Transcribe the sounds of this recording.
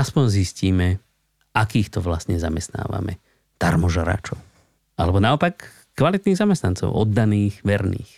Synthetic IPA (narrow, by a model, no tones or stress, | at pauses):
aspɔɲzisciːmɛ | akiːxt̪ɔʋlasɲɛzamɛst̪na̰ːʋa̰mɛ̰ | d̪̥aɾmɔʒaɾa̰ːt͡ʃɔʊ | ʔalɛbɔnaɔpakː | ʋalit̪niːɣzamɛst̪nant͡sɔ̰ʊʔɔd̪ːaniːxʋɛɾnḭːx